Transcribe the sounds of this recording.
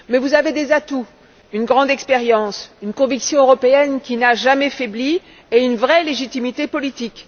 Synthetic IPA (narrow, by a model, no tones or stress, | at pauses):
mɛvuzaved̪ezat̪u | ynɡʁɑ̃d̪ɛkspeʁjɑ̃synkɔ̃viksjɔ̃øʁɔpeɛnkʲinaʒamɛfebli | eynvʁɛleʒit̪imit̪epɔlit̪ik